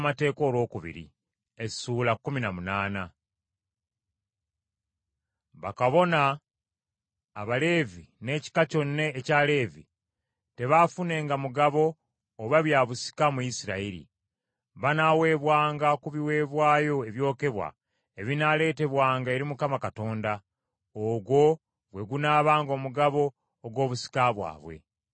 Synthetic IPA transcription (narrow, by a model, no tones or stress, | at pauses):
mate̞ːko̞ːlwo̞ːkuβḭɾḭ | e̞suːlakːuminamunaːna | βakaβo̞na | βale̞vine̞ːci̥kaco̞nːe̞ːcaːle̞ːvḭ | te̞βafune̞ːŋɡamuɡaβo̞ː | βaβjaβusi̥kamujisiɾa̰iɾḭ | βanawe̞ːβwaːŋɡakuβiwe̞ːβwaːjo̞e̞βjo̞ːke̞βwa̰ | eβinale̞ːte̞βwaːŋɡae̞ɾimukamakato̞ːnda | oɡwo̞ | ɡwe̞ɡunaːβaːŋɡo̞ːmuɡaβo̞ː | ɡwo̞ːβusi̥kaβwa̰ːβwe̞̰